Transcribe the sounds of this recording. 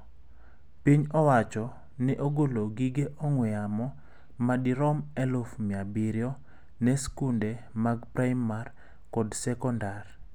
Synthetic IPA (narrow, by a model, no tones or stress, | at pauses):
piɲɔwat͡ʃɔ | nɪʔoɡoloɡiɡeʔɔŋwɛamɔ | madiɾɔmɛlofmɪabiɾjɔ | nɛskunde | maɡpɾajmar | kɔdsɛkɔndar